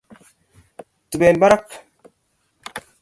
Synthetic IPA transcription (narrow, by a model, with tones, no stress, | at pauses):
tu˨be˨lba˦ɾa˦k